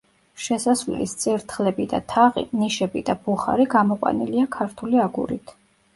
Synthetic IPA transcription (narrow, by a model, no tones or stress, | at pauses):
ʃɛsasvllḭst̪sʼiɾt̪ʰχlɛbid̪a̰t̪ʰaʁḭniʃɛbid̪abuχa̰ɾiɡamɔqʼwa̰nḭliakʰaɾt̪ʰuliaɡṵɾḭt̪ʰ